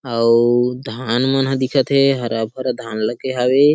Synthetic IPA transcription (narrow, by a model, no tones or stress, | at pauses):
ad̪ʱanmənɦə̃d̪ikʰət̪ɦɛɦəɾabɦəɾad̪ʱanləɡeɦabe